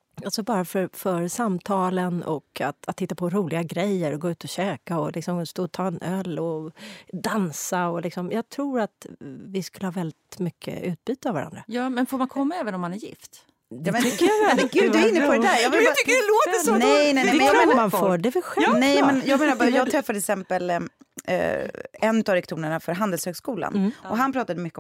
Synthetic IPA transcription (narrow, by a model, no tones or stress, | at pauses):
alsɔbɑːɾafœɾfœɾsamt̪ʰɑːlənɔka̰t̪at̪ʰːɪt̪ːapʰɔɾuːlɪɡaɡɾɛjːəɾɔɡoːʉ̟ːt̪ɔɕøːkaɔlɪksɔmst̪oːt̪ʰɑːɛnœlːɔd̪ansaɔlɪksɔmjɑːɡt̪ʰɾuːɾat̪vɪskɵlːəhɑːvɛld̪ɪt̪mʏkʰːə̰ʉ̟ːt̪̚byːt̪əavaɾa̰nd̪ɾajɑːmɛnfoːɾmankʰɔmːaɛːvənɔmːanæɾjɪ̰ft̪ | d̪mɛnːəɡʉːd̪aɾɪnːəpʰɔɾɛd̪æɾjɑɡvɪlʏkːəɛloːt̪əsnɛjnɛnɛmɛnjamenmanfoːɖɛvɪɧɛnɛjmɛnjɑːɡmeːnaɾbjjɑːɡt̪ʰɾɛfːad̪ɛsɛmpəl̰ | ɛnːʉt̪avɾɛk̚t̪ʰuːnəɳafœɾɦand̪ɛlshøːɡskuːla̰nɔɦanpʰɾɑːt̪ad̪əmʏkːə